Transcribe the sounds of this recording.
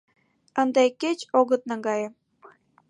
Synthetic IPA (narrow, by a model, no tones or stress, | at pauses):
ənd̪ekːet͡ɕoɣət̪̚nɑ̆ɡɑjĕ